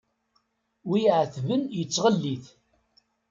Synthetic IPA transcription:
wiʕəθvənjət͡sːʁəlːiθ

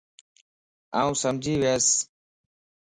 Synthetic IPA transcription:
aːũːsəmd͡ʒʱiːʋeːs

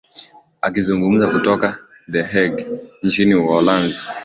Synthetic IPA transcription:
a̰kizuŋɡum̩zakutɔka | ðɛɦɛɡnt͡ʃiniwɔlanzi

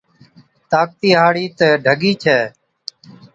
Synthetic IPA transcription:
t̪aːk̚t̪iːɦaːɽiːt̪eːɖʱəɡiːt͡ʃʰɛː

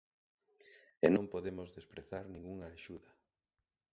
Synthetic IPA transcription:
enõmpoðemʊzðespɾeθaɾnĩŋɡuŋɐaʃuðɐ

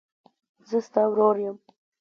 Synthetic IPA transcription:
zəst̪ɑwɾoɾjəm

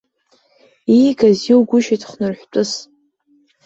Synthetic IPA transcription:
iɡaziwɡʷʊʃitʰχnɨrħʷᶣtʷʼʊs

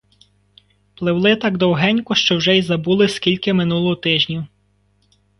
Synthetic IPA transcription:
plˠɪwlˠɪt̪ɑɡd̪ɔwɦɛnʲkʊʃt͡ʃɔwʒɛjzɐbulˠɪskʲilʲkɪmɪnulˠɔɦɔt̪ɪʒnʲi

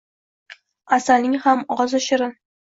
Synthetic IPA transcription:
asalnɪŋhamʁɒzʊʃɪɾɪn

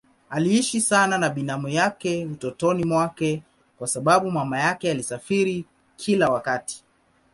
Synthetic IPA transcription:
aliiʃisananaɓinamujakɛutɔtɔnimwakɛ | kwasaɓaɓumamajakɛalisafiɾi | kʰilawakati̥

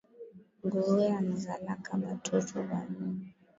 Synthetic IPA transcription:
ŋɡuɾuanazalakaɓatʰɔtʰɔɓalu

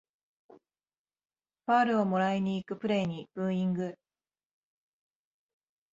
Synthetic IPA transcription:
ɸaːɾɯ̟o̞mo̞ɾaiɲ̟iːkɯ̟pɯ̟ɾe̞ːɲ̟ib̥ɯ̟̃ɰ̃ĩŋɡɯ

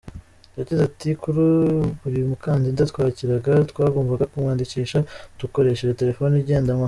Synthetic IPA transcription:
uatizatikuɾuβuɾimukaːndindatwaːciɾaɡatwaːɡo̞ːmvaɡakumŋaːndiciːʃatuko̞ɾe̞ʃeɾete̞ɾe̞fo̞niɾɟe̞ːndamah

